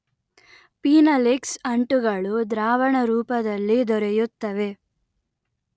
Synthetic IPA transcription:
piːnɐliksɐɳʈuɡɐɭud̪ɾaːʋɐɳɐɾuːpɐd̪ɐlːid̪ɔɾɛjut̪ːɐʋe̞

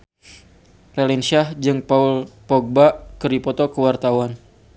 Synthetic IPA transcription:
relinsiahd͡ʒɨŋpaulpɔɡ̚baʔkəɾipɔt̪okəwart̪awan

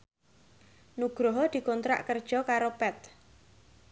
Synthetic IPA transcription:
nuɡ̥ɾɔɦɔd̪̥i̤kont̪ɾa̰ʔkərd̥ʒ̥ɔkaɾopɛt̪̚

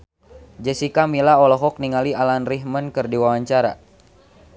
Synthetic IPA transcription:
d͡ʒɛsikamilaɔlɔɦɔk̚niŋalialanriɦmənkɨrdiwawaɲt͡ʃaɾa̰

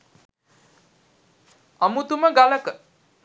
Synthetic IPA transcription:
ʌmut̪umʌɡalək

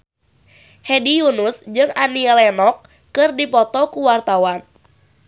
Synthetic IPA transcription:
hedijunʊsd͡ʒɨŋaniɛlɛnɔk̚ː | ɨrdipɔt̪ɔkuwart̪awan

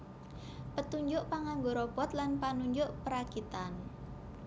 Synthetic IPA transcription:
pət̪uɲd͡ʒʊʔpaŋaŋɡoɾɔbɔt̪lanpanuɲd͡ʒʊʔpəɾakit̪an

